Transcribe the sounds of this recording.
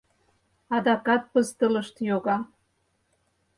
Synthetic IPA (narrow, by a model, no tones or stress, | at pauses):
ɑd̪ɑkɑt̪̚pəzt̪ə̆lə̆ʃt̪joɣɑ